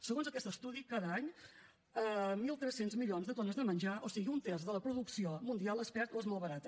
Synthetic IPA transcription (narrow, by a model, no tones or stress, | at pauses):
səɣonzəkɛst̪əst̪uðikaðəaɲ | əmilˠt̪ɾɛsːenzmiʎonzðət̪onəzðəmənʲʒaʔosiɣiunt̪ezðələpɾuðuksiomund̪ialˠespɛɾt̪oezmolˠβəɾat̪ə